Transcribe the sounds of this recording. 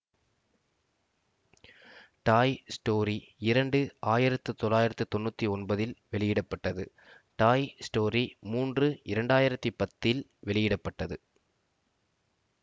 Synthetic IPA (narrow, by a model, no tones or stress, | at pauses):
ʈaːjsʈoːɾiɪɾɐɳɖɯaːjɪɾɐt̪ːɯt̪ːɔlːaːjɪɾɐt̪ːɯt̪ɔnːut̪ːiɔnbɐðɪlʋɛɭɪjɪɽɐpːɐʈːɐðɯ | ʈaːjsʈoːɾimuːndrɯɪɾɐɳɖaːjɪɾɐt̪ːipɐt̪ːɪlʋɛɭɪjɪɽɐpːɐʈːɐðɯ